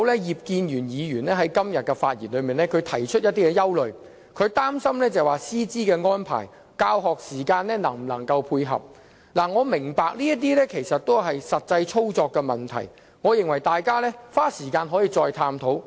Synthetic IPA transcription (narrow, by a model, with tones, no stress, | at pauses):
wlɛː˥jiː˨˩p̚kiː˧njyː˨˩njiː˨˧jyː˨˩nlɛː˥ɦɐ˨˥jkɐ˥mjɐ˨t̚kɛ˧faː˧t̚jiː˨˩nlɵ˨˧ɥmiː˨˩nɛː˦˥kʰɵ˨˧ɥt̪ʰɐ˨˩jt͡ʃʰɵ˥t̚jɐ˥t̚t̪iː˥kɛ˧jɐ˥wlɵ˨ɥ | kʰɵ˨˧ɥt̪aː˥msɐ˥mlɛː˥t͡sɐ˨˩waː˨siː˥t͡siː˥kɛː˧ŋɔː˥npʰa̰ː˨˩j | kaː˧wɦɔː˨k̚siː˨˩kaː˧nlɛ˥nɐ˨˩ŋm̩˨˩lɐ̰˨˩ŋkɐ˧wpʰuː˧jɦɐ̰˨p̚ | laː˨˩ŋɔː˨˧mɪ˨˩ŋpaː˨˧k̚liː˥jɐ˥t̪̬iː˥lɛː˥kʰe˨˩jsɐ˨t̚t̪o˥wɦɐ˨jsɐ˨t̚t͡sɐ˧jt͡ʃʰo˥wt͡sɔː˧kːɛ˧mɐ˨nt̪ʰɐ̰˨˩j | ŋɔː˨˧jɪ˨ŋwɐ˨˩jt̪aː˨jkaː˥lɛː˥faː˥siː˨˩kaː˧nɦɔ˨˥jiː˨˧t͡sɔː˧jt̪ʰaː˧mt̪ʰo˨˥w